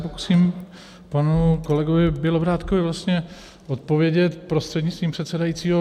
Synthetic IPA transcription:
poku̥siːm | panukolɛɡovɪbɪlobɾaːt̪kovɪvlast̪ɲɛ | ʔot̪̚po̞vjɛɟɛt̪pɾost̪r̥ɛdɲɪt͡st̪viːmpr̥ɛt̪sɛdajiːt͡siːɦo

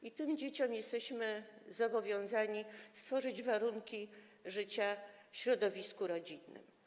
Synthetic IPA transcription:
it̪ɘmd͡ʑet͡ɕɔmjɛst̪ɛɕmɘzɔbɔvʲjɔ̃w̃zaɲist̪fɔʐɘd͡ʑvaɾuŋkʲi | ʐɘt͡ɕafɕɾɔd̪ɔvʲiskuɾɔd͡ʑinːɘ̰m

